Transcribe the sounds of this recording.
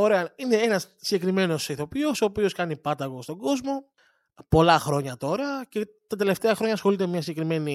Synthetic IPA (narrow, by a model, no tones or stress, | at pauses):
oɾe̞ɐine̞enɐs | siɟe̞kɾime̞no̞siθo̞pio̞soːpio̞skɐnipɐt̪ɐɣost̪o̞ɡo̞zmo̞ | po̞lɐxɾo̞ɲɐt̪o̞ɾɐce̞ | t̪ɐt̪e̞le̞ft̪eɐxɾoɲɐsxo̞lit̪ememɲɐsiɟe̞kɾime̞ni